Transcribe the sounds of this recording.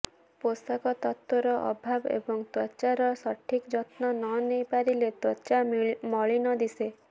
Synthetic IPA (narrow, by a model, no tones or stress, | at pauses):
posakɔt̪ɔt̪wɔɾɔʔɔ̰bʱabḛbɔŋt̪wɔt͡ʃaɾɔsɔʈʰikd͡ʒɔt̪nɔnɔnejpaɾilet̪wɔt͡ʃamɔɭinɔd̪ise